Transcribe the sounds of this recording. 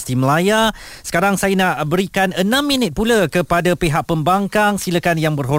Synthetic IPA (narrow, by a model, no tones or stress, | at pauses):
st̪iməlaja | sə̥kaɾaŋsajənaʔbəɾikanənãmːĩnɪt̪̚pulakəpadapeɦaʔ̚pəmbaŋkaŋsiləkanjaŋbərɦo